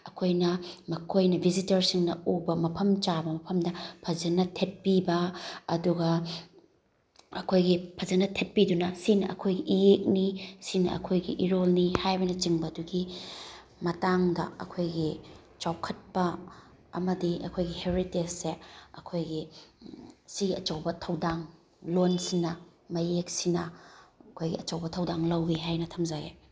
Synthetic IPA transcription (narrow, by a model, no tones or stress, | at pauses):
ɐkʰojnɐmɐkʰojnɐbʱizitɐɾsiŋnɐubɐmɐpʰɐmt͡ʃabɐmɐpʰɐmdɐpʰɐzɐnɐtʰet̚pibɐɐduɡɐ | ɐkʰojɡipʰɐzɐnɐtʰet̚pidunɐsinɐʔɐkʰojɡiʔijek̚nisinɐ̰ʔɐ̰kʰojɡḭʔiɾolnihajbɐnɐt͡ʃiŋbɐːduɡi | mɐtaŋdɐ̰ɐ̰kʰojɡi | t͡ʃawkʰɐt̚pɐ | ɐmɐdiɐ̰kʰojɡiheɾitesseɐkʰojɡi | siɡiɐt͡ʃɐwbɐtʰɐwdaŋ | lonsinɐmɐjek̚sinɐɐkʰojɡḭɐt͡ʃɐwbɐtʰɐwdaŋlɐwɡiɦajnɐtʰɐmzaɡe